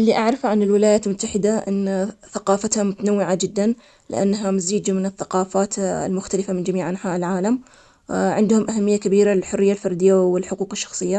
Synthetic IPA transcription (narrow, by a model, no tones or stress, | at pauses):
ʔɪlːiʔaʕɾˤɑfʕanɪlwɪlajaːt̪lmʊt̪ːaħɪd̪aʔɪ̰nːθaqɑːfat̪hamʊt̪anawːɪʕad͡ʒɪd̪ːan | lɪ̰ʔa̰nːɦamaziːd͡ʒmɪnɪθːaqɑːfaːt̪lmʊxt̪alɪfamɪnd͡ʒamiːʕʔanħaːʔɪlʕaːlam | ʕɪnd̪hʊmʔaɦamːɪjːakabiːɾalɪlħʊrːɪjːalfɑɾˤd̪ɪjːawɪlħʊquːqɪʃːɑ̥xsˤɨjːa